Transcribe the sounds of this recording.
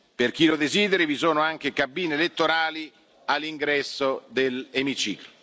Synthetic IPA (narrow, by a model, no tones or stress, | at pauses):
perk̟ilod̪eziːd̪eɾivisoːnoaŋk̟ekabːiːneːlet̪ːoɾaːli | alːiŋɡɾɛsːod̪elemit͡ʃḭːklo